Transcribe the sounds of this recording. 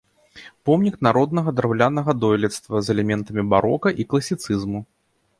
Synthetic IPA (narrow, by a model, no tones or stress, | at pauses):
pɔmnʲiknaɾɔd̪nɐɣɐd̪ɾawlʲanɐɣɐd̪ɔjlʲɛt̪st̪vɐzɛlʲɛmʲɛnt̪ɐmʲibaɾɔkɐʔiklˠɐsʲit̪sɨzmu